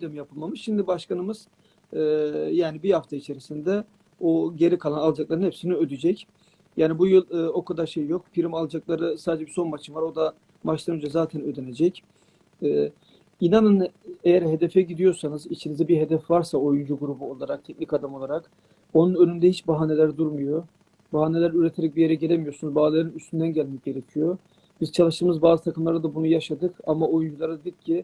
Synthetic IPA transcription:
d̪ɛmjapʰɯlˠmamɯʃʃimd̪ibaʃkanɯmɯz̥ː | jaːnibihaft̪ʰait͡ʃʰe̞ɾisind̪ɛ | oɟe̞ɾikʰalˠanalˠad͡ʒaklˠaɾɯnhɛpsiniød̪id͡ʒɛc | jaːnibujɯlˠːo̞kʰad̪aɾʃe̞jjo̞k̚pʰiɾimalˠad͡ʒaklˠaɾɯsaːd̪ed͡ʒɛbiso̞nmat͡ʃʰɯmvaɾo̞d̪a | mat͡ʃlˠanønd͡ʒazaːt̪ʰɛnød̪ene̞d͡ʒɛc | ɛː | inanɯnejæɾɦe̞d̪ɛfɛɟid̪ijo̞ɾsanɯzit͡ʃʰinizɛbiɦe̞d̪ɛfvaɾsao̞jund͡ʒuɡuɾubuo̞lˠaɾak̚t̪ʰɛcʲnikad̪amo̞lˠaɾak | o̞nunønynd̪ɛhit͡ʃbaɦane̞lʲæɾd̪uɾmujo̞ | baɦaːne̞lʲæɾyɾet̪ʰe̞ɾɛc̚bijeɾɛɟelʲemijosunuzbaɦːllˠeɾinyst̪ʰynd̪ænɟælʲmɛc̚ɟe̞ɾecʰijo̞ | biz̥t͡ʃʰalˠɯʃt̪ɯːmɯzbaːzɯt̪ʰakɯmlˠaɾad̪abunujaʃad̪ɯkamao̞jund͡ʒulˠaɾad̪ed̪ʲicʰːi

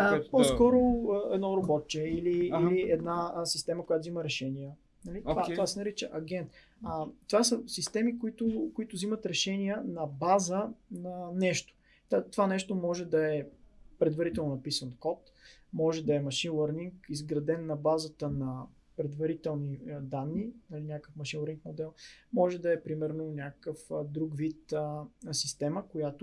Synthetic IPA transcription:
pɔskɔɾoəɛd̪nɔɾobɔt̪t͡ʃɛiliiliɛd̪nasist̪ɛməkojat̪oziməɾɛʃɛniə | nɐlit̪vat̪ovasɛnɐɾit͡ʃɛʔɐɡʲɛnt̪ | ət̪ovasəsist̪ɛmikʊit̪ʊkʊit̪ʊzimət̪ɾɛʃɛnijənɐbazənɐnɛʃt̪o̥ | t̪at̪ovanɛʃt̪omɔʒɛd̪ɐɛpɾɛd̪vɐɾit̪ɛlˠnoʊnɐpisənkɔt̪ | mɔʒɛd̪ɐɛmɐʃinlˠəɾniŋkizɡɾɐd̪ɛnːɐbazət̪ənɐ | pɾɛd̪vɐɾit̪ɛlˠnid̪anːinɐlinʲjakəfmɐʃinlˠəɾniŋkmod̪ɛlˠmɔʒɛd̪ɐɛpɾimɛɾnonʲjakə̥kəfd̪ɾuɡvit̪əsist̪ɛməkojat̪ʊ

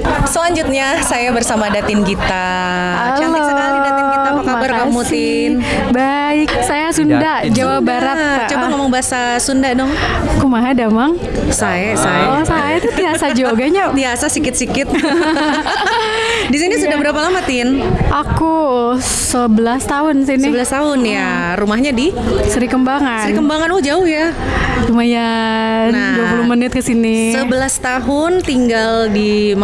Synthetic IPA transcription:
səlaɲd͡ʒut̪̚ɲasajabərsamadat̪ɪnkit̪a | at͡ʃaloskaidaɪnkit̪apakabarkamut̪ɪ | n | ba | ɪksajasunda | d͡ʒawabaɾat̪̚t͡ʃoaŋemaŋbaasasundadɔŋkumaɦadamaŋ | sajasajasajat̪ut̪iasad͡ʒoɡaɲat̪iasasikɪt̪̚sikɪt̪̚ | disinisudahbəɾapalamat̪ɪnʔaku | səbəlast̪aɦʊnsinsiəbəlast̪aɦʊnja | rumahɲadisəɾikəmbaŋasəɾinkəmbaŋanwɔd͡ʒaʊhjat͡ʃumaja | duapulʊhmənɪt̪̚kəsinisəbəlast̪aɦʊnt̪iŋɡaldim

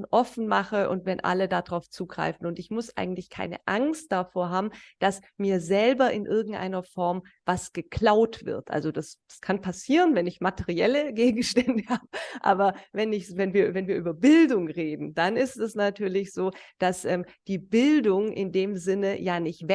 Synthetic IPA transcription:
ʔɔfn̩maχəʔʊ̰ntvɛnʔa̰lədadʁaʊft͡suːɡ̥ʁa̰ɪfn̩ʊntɪçmʊsʔa̰ɪɡŋ̩tlɪçkʰa̰ɪnə̰ʔaŋst̚d̥afoːɐɦaːbm̩d̥as | miːɐzɛlbɐʔɪnʔɪɐɡŋ̩tʔa̰ɪnɐfɔɐmvasɡ̥əkʰl̥aʊtv̥ɪ̰ɐtʔa̰lzodasskʰanpʰasiːʁənvɛnɪçmatʰɛʁiɛləɡeːɡŋ̩ʃtɛndəhaːbəʔa̰ːbɐvɛnɪçvɛnviːɐvɛnviːɐʔyːbɐbɪldʊŋʁeːdn̩d̥anɪstɛsnatʰyːɐlɪçz̥oːd̥asʔɛːmd̥iːbɪldʊŋʔɪ̰ndeːmzɪnəjaːnɪçtvɛ

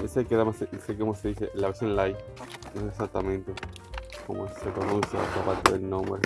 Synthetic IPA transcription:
esekeðamasesekomoseðiseʔlaβesjõnlajnoesesak̚t̪amẽnt̪e | ko̰mosepɾonũnsja̰o̰t̪apat̪eðḛlnõmɾe

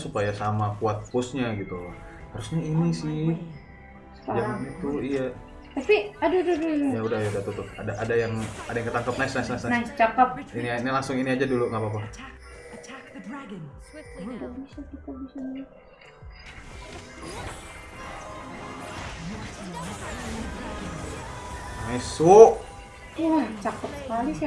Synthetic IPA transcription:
supajasamakuat̪̚pʊsɲaɡit̪u | haɾusɲainisɪh | jait̪uija | t̪apiadududujaudahjadaht̪ut̪ʊp̚adaʔadajaŋadajaŋkət̪aŋkap̚nasnasnasnanat͡ʃakəp̚ininilaŋsʊŋiniad͡ʒaduluŋɡapap̬a | t̪əbisat̪ut̪abisaa | naisuʔ | uaht͡ʃakəp̚sə̥kalis

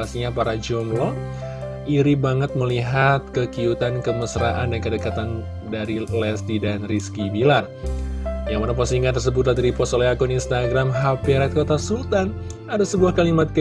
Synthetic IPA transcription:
asɲapaɾad͡ʒɔmlɔ | iɾibaŋət̪̚məliɦat̪̚kəkiut̪ankəməsɾaʔandankədəkat̪an | daɾilɛst̪idanriskibilar | jaŋmanapɔsiŋɡant̪̬ərsəbʊt̪̚lat̪iɾipɔsoleakuninst̪aɡɾamɦapiɾɛt̪̚kot̪asult̪an | adasəbuahkalimat̪̚kə

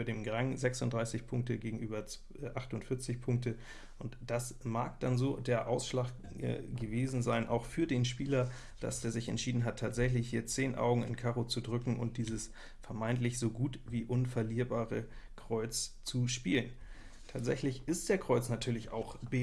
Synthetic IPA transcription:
yɐdeːmɡʁaŋzɛksʊntd̥ʁaɪsɪçpʰʊŋk̚təɡeːɡŋ̩ʔyːbɐt͡s | ʔaχtʊntfɪɐt͡sɪçpʰʊŋk̚tə | ʔʊntd̥asmaːk̚d̥anzoːdeːɐʔaʊsʃlaːkː | ɡ̥əveːzn̩zaɪnʔa̰ʊxfyːɐdeːnʃpiːlɐ | d̥a̰sdeːɐzɪçɛ̰ntʃiːdn̩ɦatʰːaːtz̥ɛçlɪçhiːɐt͡seːnʔa̰ʊɡŋ̩ɪ̰nkʰaːʁot͡sudʁʏkŋ̩ʔʊ̰nt̚d̥iːzəs | fɛɐmaɪntlɪçz̥oːɡuːtviːʔʊnfɛɐliːɐbaːʁə | kʁ̥ɔʏt͡st͡suʃpiːlən | tʰaːtz̥ɛ̰çlɪçɪstd̥eːɐkʁ̥ɔʏt͡snatʰyːɐlɪça̰ʊxb̥e

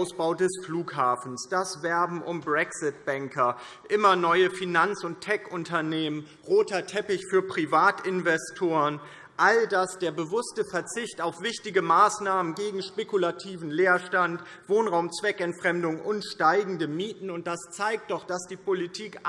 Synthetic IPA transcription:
ʊsb̥aʊdɛsfluːkhaːfn̩sd̥asv̥ɛɐbm̩ʔʊmbʁɛksɪt̚b̥ɛŋkʰɐ | ʔɪmɐnɔʏəfinant͡sʊntʰɛkʔʊntɐneːmən | ʁoːtɐtʰɛpɪçfyːɐpʁ̥ivaːtʔɪnvɛstʰoːʁən | ʔaldasd̥eːɐbəvʊstəfɛɐt͡sɪçtaʊfv̥ɪçtɪɡəmaːsnaːmənɡeːɡŋ̩ʃpekulatʰiːvn̩leːɐʃtant | v̥oːnʁaʊmt͡sv̥ɛkɛntfʁ̥ɛmdʊŋʔʊnʃtaɪɡŋ̩dəmiːtn̩ʊnt̚d̥ast͡saɪk̚t̚d̥ɔχd̥asd̥iːpʰolitʰiːk

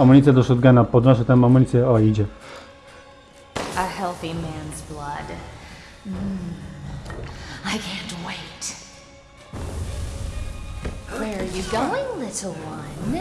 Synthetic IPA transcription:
amənʲit͡s̪ɛd̪ɔsot̪̚ɡanapɔd̪nɔs̬ət̪ɛmamənit͡sɛɔid͡ʒɛ | əhɛlˠθimæ̃nzblʌ̰d | m̩ | aɪkʰæ̃ntweɪt | wə˞ə˞jɨɡoʊɪ̃ŋlɪɾl̩ˠwʌ̃n

